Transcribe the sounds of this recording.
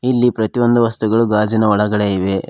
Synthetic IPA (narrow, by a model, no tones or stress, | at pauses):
ilːipɾɐt̪ijo̞nd̪uʋɐst̪uɡɐɭuɡaːd͡ʒinɐɔɭɐɡɐɭeiʋe̞